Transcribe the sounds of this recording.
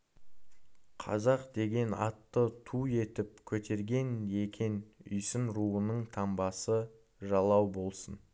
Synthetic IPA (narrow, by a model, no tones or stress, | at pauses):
qʰɑ̰zɑqd̪e̞ɡʲe̞nɑ̰t̪ːət̪ʰue̞t̪ɪp̚kʲʰɵt̪ʰe̞ɾɡʲe̞ne̞kʲʰe̞nʏ̰jsɪnɾuənəɴt̪ʰɑmbɑsə | ʒɑlˠɑwbo̞lˠsən